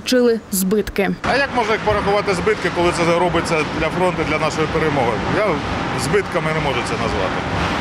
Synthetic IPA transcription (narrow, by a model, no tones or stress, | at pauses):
t͡ʃɪlˠɪzbɪt̪kɪɐjɐkmɔʒnɐpɔɾɐxʊʋɑt̪ɪzbɪt̪kɪkɔlˠɪt̪sɛɾɔbɪt͡sʲːɐd̪lʲɐfɾɔnt̪ɐd̪lʲɐnɑʃɔjipeɾemɔɦɪja | zbɪt̪kɐmɪnɛmɔʒʊtsɛnɐzʋɑ̰t̪ɪ̰